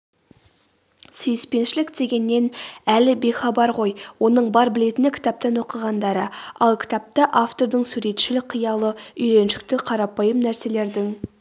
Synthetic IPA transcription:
sʏjɪspe̞nʃɪlɪkd̪e̞ɡʲe̞nːe̞nælɪbe̞χɑbɑɾʁo̞jwo̞nəɴbɑɾbɪle̞t̪ɪnɪkʲʰɪ̥t̪ɑp̚t̪ɑnwo̞qəʁɑnd̪ɑɾəɑlˠkʲʰɪ̥t̪ɑp̚t̪ɑʔaft̪o̞ɾd̪əɴsuɾe̞t̪ʃɪlɪk̚qʰːijɑlˠəʏjɾe̞nʃɪ̥k̚t̪ɪqʰɑɾɑpɑjəmnæɾse̞le̞ɾd̪ɪŋ

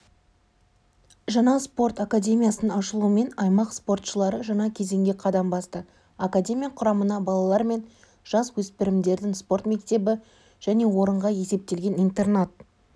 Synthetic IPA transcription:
ʒɑɴɑspo̞rt̪akadʲe̞mʲijasənɑʃəlˠuəme̞nɑjmɑqspo̞rt̪ʃəlˠɑɾəʒɑɴɑkʲʰe̞ze̞ŋɡʲeqʰɑd̪ɑmbɑst̪ə | akadʲe̞mʲijaqʰʊɾɑmənɑbɑlˠɑlˠɑɾme̞n | ʒ̥ɑswɵspɪɾɪmd̪e̞ɾd̪ɪŋspo̞ɾt̪me̞k̚t̪e̞bɪ | ʒ̥æne̞wo̞ɾəɴʁɑje̞se̞p̚t̪e̞lɡʲe̞nijnt̪e̞rnat̪̚

